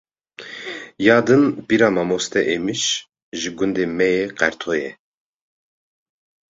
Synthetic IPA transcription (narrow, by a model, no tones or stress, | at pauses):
jaːd̪ɨnb̥iɾamamɔst̪ʰɛʔɛmiʃ | ʒiɡund̪ɛmɛjɛqɛɾt̪ʰɔjɛ